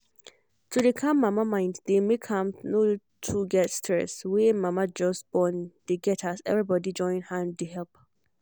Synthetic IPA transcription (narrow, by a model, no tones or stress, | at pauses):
tʰudekʰãmːãmamãɪ̃nddemekʰãmno | tʰuɡɛtstʰɹɛ̰swɛmãmad͡ʒɔsb̥ɔ̃nd̥eɡɛtʰasɛ̰vɹibɔdid͡ʒɔ̃ɪ̃nhãndehɛlp